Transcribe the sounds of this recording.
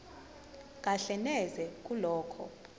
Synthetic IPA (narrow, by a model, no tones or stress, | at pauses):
ŋ̬ʼaɬɛnɛzɛk̬ʼulɔːkʰɔ̰